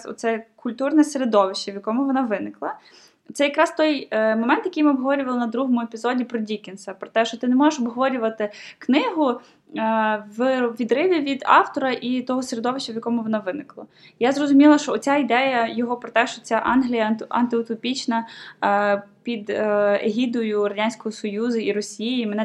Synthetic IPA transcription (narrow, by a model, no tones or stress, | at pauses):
ɔ̰t̪sɛkʊlʲt̪urnɛseɾed̪ɔʋɪʃt͡ʃɐʋjɐkɔmʊʋɔnɑʋɪnɪklˠɐ | t̪sɛjɐkɾɑst̪ɔjmɔmɛnt̪jɐkʲijmɪɔbɦɔʋɔɾʲʊʋɐlˠɪnɐd̪ɾuɦɔmʊepʲizɔdʲipɾɔdʲikɪnsɛpɾɔt̪ɛʃt͡ʃɔt̪ɪnɛmɔʒeʃɔbɦɔʋɔɾʲʊʋɐt̪ɪknɪɦʊ | ʋɪʋʲid̪ɾɪʋʲiʋʲid̪ɑ̰wt̪ɔɾɐʔit̪ɔɦɔsɾed̪ɔʋɪʃt͡ʃʲɛʋjɐkɔmʊʋɔnɑʋɪnɪklˠɐ̰ | jazrɔzʊmʲilˠɐʃt͡ʃɔːt͡sʲaid̪ɛjɐjɔɦɔpɾɔt̪ɛʃt͡ʃɔt͡sʲaʔɑnɦlʲijɐʔɐ̰nt̪ɪʊt̪ɔpʲit͡ʃnɐ | pʲid̪eɦʲid̪ʊjʊrɐdʲanʲsʲkɔjisɔjuzʊiɾɔsʲijiimɛnɛ